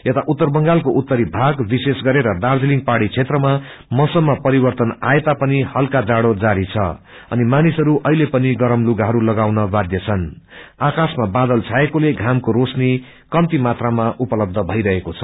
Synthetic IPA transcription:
jet̪aʔut̪ːʌrbʌŋɡalkoʔut̪ːʌɾibʱaɡbisesɡʌɾeɾʌd̪ard͡ziliŋɡpaɽit͡sʰet̪rʌma | mʌsʌmːapʌɾibʌrt̪ʌnaet̪apʌnihʌlkad͡zaɽod͡zaɾit͡sʰʌ̰ | ʌ̰nimanisʌɾuʔʌɦilepʌniɡʌɾʌmluɡaɦʌɾulʌɡawnʌbad̪jʌt͡sʰʌnakasmabad̪ʌlt͡sʰaekoleɡʱamkoɾosni | kʌmt̪imat̪ramaʔupʌlʌb̚d̪ʱʌbʱʌjɾʌɦekot͡sʰʌ̥

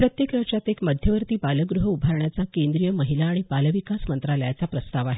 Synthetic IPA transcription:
pɾət̪jekɾəʂat̪jekməd̪ʱjəʋəɾt̪iːbaləɡɾuɦəubʱaɾɳjat͡sakend̪ɾijəməɦilaːɽ̃ibaləʋikasmənt̪ɾaljat͡sapɾəst̪aʋaɦe

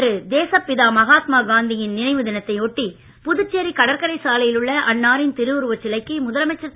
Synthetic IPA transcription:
ɾɯd̪eːsɐpːɪðaːmɐɣaːt̪maːɡaːnd̪ɪjɪnnɪnɐɪʋɯðɪnɐt̪ːɐɪoʈːi | pʊðɯt͡ʃːeɾikɐɽɐɾkɐɾɐɪsaːlɐjɪlɯɭːɐʔɐnːaːɾɪnt̪ɪɾɯʋɯɾɯʋɐt͡ʃːɪlɐɪkːɯmʊðɐlɐmɐt͡ʃːɐ

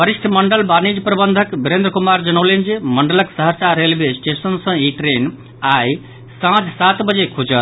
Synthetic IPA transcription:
pəɾisʈʰməɳɖəlbanid͡ʒpɾəbənd̪ʱəkbiɾẽnd̪ɾəkumaɾd͡ʒənəwlend͡ʒeməɳɖələksəɦəsaɾelbesʈesənsə̃iʈɾen | aj | sãd͡ʒsat̪bəd͡ʒekʰud͡ʒət̪

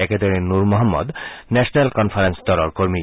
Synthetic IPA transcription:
ɛked̪oɾenuɾmɔɦamːɔ̰d̪nɛʃonelkɔnfʰaɾensd̪ɔɾoɾkoɾmi

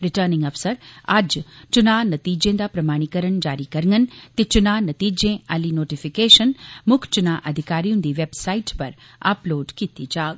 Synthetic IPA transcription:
ɾɪʈəːɾnɪ̃ŋɡɐfsəɾa̰ːd͡ʒt͡ʃʊnaːnɐt̪iːd͡ʒẽnd̪apɾɐmaːɽ̃ikəɾəɳd͡ʒaːɾikɐɾŋənt̪et͡ʃʊnaːnɐt̪iːd͡ʒẽɐlinoːʈifikeːʃənmʊkʰt͡ʃʊnaːʔɐd̪ʱɪkaːɾijũnd̪iːʋeːbsaːiʈpɐɾ | a̰ːploːɖkit̪id͡ʒaːɡ

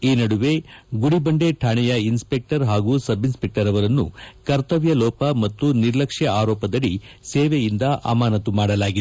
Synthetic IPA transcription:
iːnɐɽuʋe̞ɡuɽibɐɳɖe̞ʈʰaːɳɛjɐinspek̚ʈɐɾɦaːɡuːsɐbinspek̚ʈɐɾɐʋɐɾɐnːṵkɐɾt̪ɐʋjɐlɔːpɐmɐt̪ːuniɾlɐkʂjɐaːɾɔːpɐd̪ɐɭiseːʋejind̪ɐʔa̰ːmaːnɐt̪umaːɽɐlaːɡid̪

